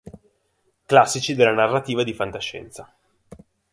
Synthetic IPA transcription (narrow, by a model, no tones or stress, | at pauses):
klasːit͡ʃid̪elːanarːat̪iːvad̪ifant̪aʃːɛ̰nt̪sa